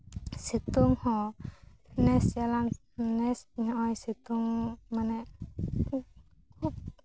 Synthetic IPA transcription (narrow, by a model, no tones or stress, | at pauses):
sit̪uŋhɔ̃ | nɛsjalaŋ | nɛsɲɔʔɔjsit̪uŋmanɛʔ | kʰup̚